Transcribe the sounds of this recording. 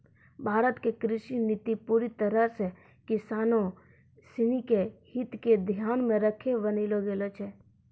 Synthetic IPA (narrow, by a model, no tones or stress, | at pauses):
bʱaːɾət̪kekɾɪʃinɪt̪ipuːɾit̪əɾəɾse | kɪsaːnõ | sɪnikehɪt̪ked̪ʱjaːnmẽɾəkʰebəniloɡeːlot͡ʃʰɛː